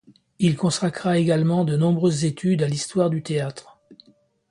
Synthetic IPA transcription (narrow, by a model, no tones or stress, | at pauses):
ilkɔ̃sakʁaeɡalmɑ̃d̪ənɔ̃bʁøzːet̪ʰyd̪alist̪waʁd̪yt̪eat̪χ